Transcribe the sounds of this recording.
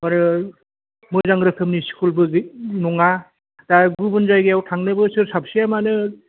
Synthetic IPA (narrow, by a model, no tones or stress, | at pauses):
maɾɯ | mɯzaŋɡɾɯkʰɯmniskʰulbɯɡnɔŋa | taɡubɯnzajɡɯawtʰaŋnɯbɯsɯɾsap̚sijamanɯ